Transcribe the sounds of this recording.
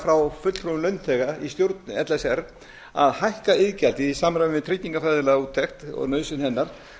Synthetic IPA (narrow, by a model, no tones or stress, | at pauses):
fɾawfʏt̪l̥fɾomlœɥnt̪ʰɛɣaist̪jowɾt̪nʏɛt̪lɛsɛɾ | a̰ðhajhkaɪðcalt̪ɪisamɾavɪvɪðt̪ʰɾic̪iŋkafajðɪlɛɣuːt̪ʰːɛxt̪ɔ̰ɣnœːsɪnhɛnːaɾ̥